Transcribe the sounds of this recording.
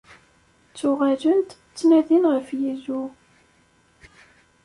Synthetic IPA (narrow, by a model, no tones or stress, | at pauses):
t͡sːʊʁæʒənt̪ | t͡sːnæðinʁəfjizu